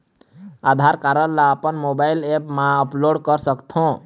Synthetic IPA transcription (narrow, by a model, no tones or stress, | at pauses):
ad̪ʱaɾkaɾəllaəpənmobaɪlepmãəploɽkəɾsəkt̪ʰõ